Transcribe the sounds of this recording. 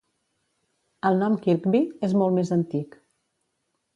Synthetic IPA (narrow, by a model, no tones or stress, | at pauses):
əlˠnɔmkikbiezmɔlˠmezənt̪ik